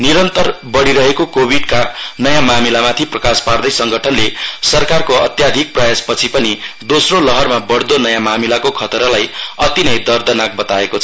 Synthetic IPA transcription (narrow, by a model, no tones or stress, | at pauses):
niɾʌnt̪ʌrbʌɽiɾʌɦekokobʱiɖkanʌjamamilamat̪ʰiprʌkaspard̪ʌjsʌŋɡʱʌʈʰʌnlesʌrkarkoʌ̰t̪jad̪ʱik̚prajaspʌt͡sʰipʌnid̪osrolʌɦʌrmabʌɽd̪onʌjamamilakokʰʌt̪ɾʌlajʌt̪inʌjd̪ʌrd̪ʌnak̚bʌt̪aekot͡sʰʌ